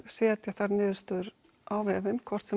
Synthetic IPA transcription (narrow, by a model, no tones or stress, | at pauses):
sɛːt̪jaθaɾnɪːðʏst̪ʏɾ | ʔaːwvɛːvɪnkʰvɔr̥t̪sɛ